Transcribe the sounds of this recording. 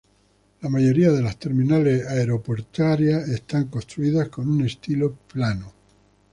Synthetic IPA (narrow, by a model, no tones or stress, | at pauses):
lamaʝo̞ɾiaðe̞last̪e̞ɾmĩnale̞saeɾo̞po̞ɾt̪aɾjae̞st̪aŋkost̪ɾuiðasko̞nune̞st̪ilo̞plano